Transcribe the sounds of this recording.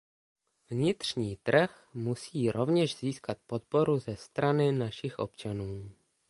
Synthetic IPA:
vɲɪt̪r̝̥ɲiːt̪r̩x | musiːɾʔovɲɛʒziːskat̪̚pot̪̚po̞ɾuzɛst̪ɾanɪnaʃɪxʔo̞̰pt͡ʃanuː

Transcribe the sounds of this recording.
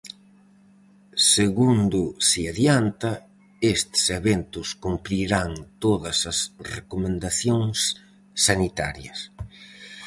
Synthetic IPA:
seɣund̪ʊsiaðjant̪ɐ | est̪seβent̪ʊskumpɾiɾaŋt̪oðɐsɐsrekomẽnd̪aθjoŋsː | anit̪a̰ɾjɐ̰s

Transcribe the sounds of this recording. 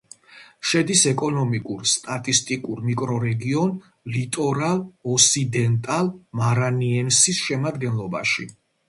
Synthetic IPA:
ʃɛd̪isɛkʼɔnɔmikʼuɾst̪ʼat̪ʼist̪ʼikʼuɾmikʼɾɔɾɛɡiɔn | lit̪ʼɔɾalɔsid̪ɛnt̪ʼalmaɾaniɛnsisʃɛmad̪ɡɛnlˠɔba̰ʃi

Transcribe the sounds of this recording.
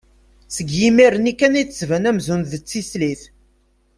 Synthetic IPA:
səɡjimiɾənikːænitːəsvænæmzunðət͡sːisliθ

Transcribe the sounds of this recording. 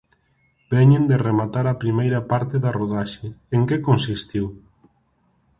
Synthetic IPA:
bɛɲẽnd̪eremat̪aɾapɾimejɾapaɾt̪eðaroðaʃeeŋkekonsist̪iw

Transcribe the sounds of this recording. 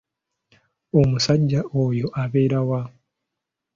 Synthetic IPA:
o̞musaɟːaʔoːjo̞ʔaβe̞ːɾawa

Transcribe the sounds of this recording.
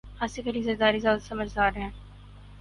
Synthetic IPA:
aːsekɐɾizɐɾd̪aːɾizjaːd̪sɐməd͡ʒʱd̪aːɾɦɛ̃ː

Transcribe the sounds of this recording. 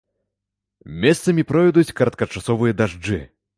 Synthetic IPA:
mʲɛst̪sɐmʲipɾɔjd̪ut͡sʲkɐɾɐt̪̚kɐt͡ʂasɔvɨjɐd̪aʐd͡ʐɨ

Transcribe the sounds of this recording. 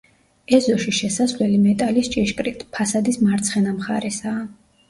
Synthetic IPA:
ɛzɔʃiʃɛsasvlɛlimɛt̪ʼalist͡ʃʼiʃkʼɾit̪ʼpʰasad̪ismaɾt̪sʰχɛnamχaɾɛsaː

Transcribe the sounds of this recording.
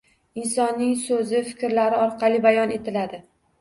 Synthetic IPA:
ɪnsɒnːɪŋsɵzɪfɪ̥kʲɾlaɾɪɒɾqʰɑlˠɪbajɒne̞t̪ʰɪlad̪ɪ

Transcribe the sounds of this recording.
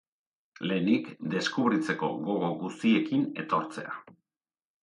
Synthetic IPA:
le̞ːnikd̪e̞skuβɾit͡se̞ko̞̰ɣo̞ɣo̞ɣust̪ie̞kine̞̰t̪o̞ɾt͡se̞̰a̰

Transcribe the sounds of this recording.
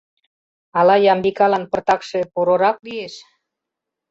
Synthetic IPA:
ɑlɑjɑmbikɑlɑnpə̆rt̪ɑkʃepuɾoɾɑklieʃ

